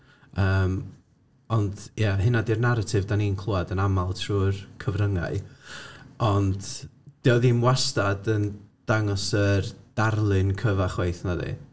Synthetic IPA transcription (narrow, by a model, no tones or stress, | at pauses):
əːm | ɔndjaɦɪnadɪrnaɾatʰɪvdaniːnkʰlˠuadənamalˠtʰruːrkʰəvrəŋa̰ɨ | ɔndd̥ɪɔðimwastadənd̥aŋɔsərd̥arlˠɨnkʰəvaχwejθnaðḭ